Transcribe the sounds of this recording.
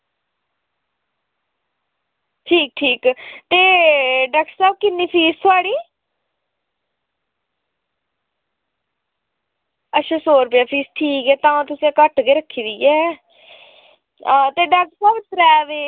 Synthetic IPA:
ʈʰiːk̚ʈʰiːkt̪eːɖaːk̚ʈəɾsaːb̚kɪnːiːpʰiːst̪ʰʊaːɽiː | ətːʃʰãːsoːɾpeaːpʰiːsʈʰiːkɛːt̪ãːãːt̪ʊsiːãkəʈɡeːɾəkʰːiːd̪iːɛː | t̪eːɖaːk̚ʈsaːbt̪ɾɛːʋeː

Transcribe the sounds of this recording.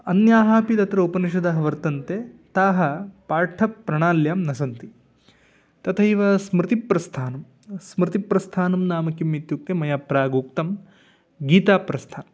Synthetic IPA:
ɐnjaːɦaːpid̪ɐt̪ɾɐupɐniʃɐd̪ɐɦɐʋɐɾt̪ɐnt̪eːt̪aːɦɐpaːɾʈʰɐpːɾɐɳaːljaːmnɐsɐnt̪i | t̪ɐt̪ʰɐiʋɐsmɾɪt̪ipɾɐst̪ʰaːnɐm | smɾɪt̪ipɾɐst̪ʰaːnɐmnaːmɐkimːit̪jukːemɐjaːpɾaːɡuːk̚t̪ɐm | ɡiːt̪aːpɾɐst̪ʰaːnm

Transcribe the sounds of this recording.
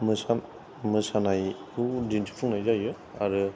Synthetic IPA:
mɯsa | mɯsanajkʰudintʰi̥pʰɯŋnajzajɯ | a̰ɾɯ

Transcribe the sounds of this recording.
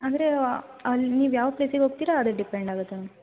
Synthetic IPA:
aːnd̪ɐɾe | ɐlniːʋjaːʋɐpleːsiɡʲeɦoːɡ̚t̪iːɾaːd̪ɐɖipeɳɖaːɡut̪ːe

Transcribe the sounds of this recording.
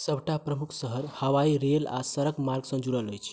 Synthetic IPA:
səbʱʈapɾəmukʰsəɦəɾhəwaiɾela̰səɾəɡmaɾɡsə̃nd͡ʒuɾəlɦojt͡ʃʰ

